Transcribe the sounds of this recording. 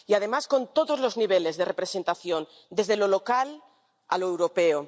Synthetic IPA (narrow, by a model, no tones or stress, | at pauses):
iað̞e̞masko̞nt̪o̞ðo̞zlo̞zniβ̞e̞le̞zðe̞re̞pɾe̞se̞nt̪aθjo̞n | d̪e̞zðe̞lo̞lo̞kal | a̰loewɾo̞peo